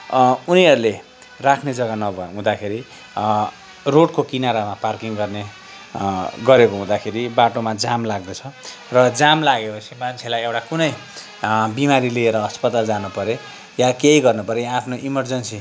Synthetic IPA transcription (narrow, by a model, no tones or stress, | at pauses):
uniɦʌɾule | rakʰned͡zʌɡanʌbʱʌɦũd̪akʰeɾi | roɽkokinaɾamaparkiŋɡʌrne | ɡʌɾekoɦũd̪akʰeɾibaʈomad͡zamlaɡd̪ʌt͡sʰʌ | rʌd͡zamlaɡepʌsʰimant͡sʰelajewʈakunʌj | bimaɾilieɾʌʌspʌt̪ald͡zanupʌɾe | jakejɡʌrnupʌɾejaapʰnoʔimʌrd͡zʌnsi